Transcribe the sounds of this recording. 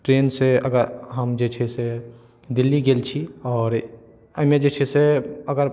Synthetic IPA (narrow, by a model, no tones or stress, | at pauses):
ʈɾeːnseɐɡəɾɦəmd͡ʒet͡ʃʰese | d̪ɪlːiɡeːlt͡ʃʰiɔːɾ | ɐmjed͡ʒeːt͡ʃʰeseəɡəɾ